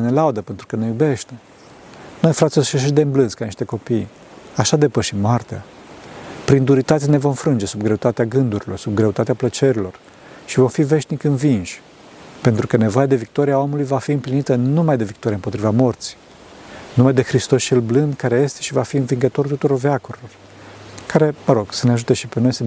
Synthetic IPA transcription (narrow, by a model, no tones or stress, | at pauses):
ne̞laud̪əpe̞nt̪ɾukənejube̞ʃt̪e̞ | no̞jfɾat̪sisʃeʃ̬id̪e̞ɨmblɨnskaniʃt̪e̞ko̞pij | aʃad̪e̞pəʃimːoart̪ea̰ | pɾind̪uɾit̪at̪ene̞vo̞mfɾɨnd͡ʒe̞subɡɾe̞ut̪at̪eaɡɨnd̪uɾilo̞rsub̚ɡɾe̞ut̪at̪eaplət͡ʃe̞ɾilo̞r | ʃivo̞mfive̞ʃnikɨnvinʃʲ | pe̞nt̪ɾukəne̞vo̞jad̪e̞vik̚t̪o̞ɾiaomulujvafiɨmplinit̪ənumajd̪e̞vik̚t̪oɾiaɨmpo̞t̪ɾivamo̞rt̪si̥ | numajd̪e̞xɾist̪o̞st͡ʃe̞lblɨnd̪kaɾe̞je̞st̪e̞ʃivafiɨnviŋɡət̪o̞rt̪ut̪uɾo̞rveakoɾilo̞r | kaɾe̞məɾo̞ɡ̥səneaʒut̪e̞ʃipe̞no̞jsə